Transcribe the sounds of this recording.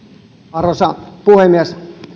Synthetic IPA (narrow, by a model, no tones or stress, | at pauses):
ɑrosɑpuhemːies